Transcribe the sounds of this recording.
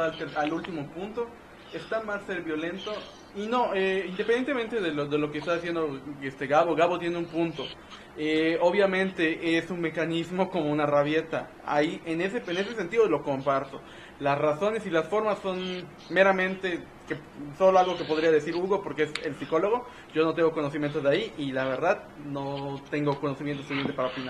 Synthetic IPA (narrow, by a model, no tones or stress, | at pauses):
lt̪eɾalult̪imo̞punt̪o̞ | est̪amasːeɾβjo̞le̞nt̪o̞ | ino̞eind̪epend̪ent̪ement̪eðeloðe̞lo̞kest̪aðisje̞nd̪oest̪eɣaβoɣaβo̞t̪je̞neumpũnt̪o̞ | eo̞βjamẽnt̪e̞ʔesunme̞kanizmo̞ko̞mounaraβje̞t̪a̰ | a̰iʔeneseene̞s̬e̞s̬e̞nt̪iðolo̞ko̞mpaɾso̞ | lasraso̞ne̞silasfo̞ɾmasːo̞n | me̞ɾamẽ̞nt̪e̞ | ke | so̞loalɣo̞ke̞po̞ðɾiaðe̞siɾuɣo̞po̞ɾkeese̞lsiko̞lo̞ɣ̞o̞ | ɟ͡ʝo̞no̞t̪e̞ŋɡo̞ko̞no̞s̬imjent̪ozðaiʔilaβe̞ɾðað | no̞t̪e̞ŋɡo̞ko̞no̞simjent̪osoliament̪epaɾaopina